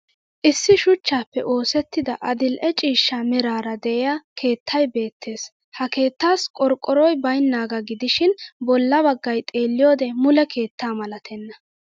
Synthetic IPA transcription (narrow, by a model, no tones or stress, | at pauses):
ʔɪsːɪʃʊt͡ʃːaːpːɛ̰ʔo̞ːsɛt̪ːɪd̪ɐʔɐd̪ɪlʔɛt͡ʃʼiːʃːamɛɾaːɾɐd̪ɛɛjakʰe̞ːt̪ʰːɐjbe̞ːt̪ʰːe̞ːs | hɐke̞ːt̪ːaːskʼɔɾkʼːɔɾɔjbɐjnːaːɡɐɡɪd̪ɪʃɪnbɔlːɐbɐɡːɐjt̪ʼe̞ːlːɪjo̞ːd̪ɛmʊlɛkʰe̞ːt̪ːaːmɐlɐt̪ʰɛnːɐ